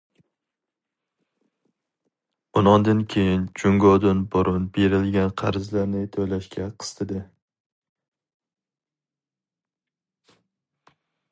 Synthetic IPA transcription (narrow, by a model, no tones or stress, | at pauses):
ʊnɒnd̪ankʲʰejɪnt͡ʃʰʊŋɡɒd̪ɪnbʊɾʔʊnbeɾɪlɡʲanqʰɑɾzlaɾnɪt̪ʰojlaʃkʲʰaqʰɨ̥st̪ʰɪd̪ɪ